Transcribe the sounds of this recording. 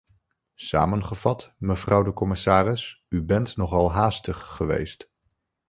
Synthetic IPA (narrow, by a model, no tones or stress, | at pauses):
sa̰ːmənχəv̥ɑtməvrʌwdəkɔmɪsaːrɪs | ybɛntnɔχɑlˠɦaːstəχːəʋḛjst